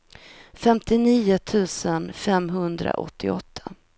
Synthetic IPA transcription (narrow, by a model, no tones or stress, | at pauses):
fɛmt̪ɪniːʊt̪ʰʉ̟ːsənfɛmɦɵnd̪ɾa̰ʔɔ̰t̪ʰːɪɔt̪ʰːḁ